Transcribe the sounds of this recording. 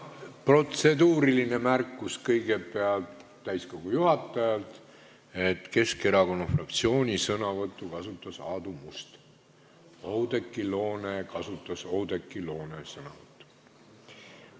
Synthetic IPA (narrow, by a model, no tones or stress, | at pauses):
pro̞t̪se̞d̪uːɾiline̞mærkːuskɤjɡ̥e̞pe̞ɑlt̪ːæjsko̞ɡ̥ujuhɑt̪ːˑɑjɑlt̪ˑ | e̞t̪ke̞ske̞ɾɑko̞nːɑfrɑkt̪sio̞ːnʲisɤnɑvɤt̪ːˑukɑsut̪ːˑɑsɑːd̪umust̪ | owd̪̥e̞kːˑilo̞ːne̞kɑsut̪ːˑɑsowd̪e̞kːˑilo̞ːnesɤnɑ̰vɤt̪ˑːu̥